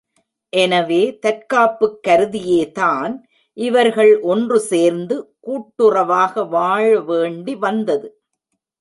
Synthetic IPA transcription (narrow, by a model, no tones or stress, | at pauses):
ʔɛnɐʋeːt̪ɐɾkaːpːɯkːɐɾɯðɪjeːt̪aːn | ʔɪʋɐɾɣɐɭʔɔndrɯseːɾnd̪ɯkuːʈːɯrɐʋaːɣɐʋaːɻɐʋeːɳɖiʋɐnd̪ɐðɯ